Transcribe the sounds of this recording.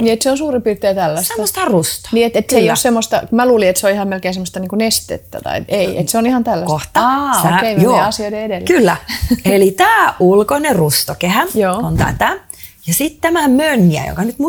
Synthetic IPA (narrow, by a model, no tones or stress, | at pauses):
niːet̪seonsuːripiːrt̪eːt̪ælːæstemːost̪ɑrust̪ɑ̥niːet̪et̪seijossemːost̪ɑ̰kumæluːliet̪seoihɑmmelkeːnsemːost̪ɑniːŋkunest̪ḛt̪ːæ̰t̪ɑ̰ḭt̪eiʔḛt̪seonihɑnt̪ælːæskoht̪ɑæeimieɑsioideedelːkylːæelit̪æːʔulkonerust̪okehæjoːont̪æ̰t̪æ | jɑsit̪t̪æmæmønːiæ̰jo̰kɑnyt̪mu